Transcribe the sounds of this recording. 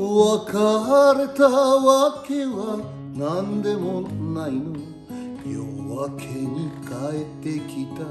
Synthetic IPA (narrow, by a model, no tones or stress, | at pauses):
oakaɦaɾet̪aawakewa | nand̪emonajnu | io̰wakʰeɲikaet̪ːekʰit̪a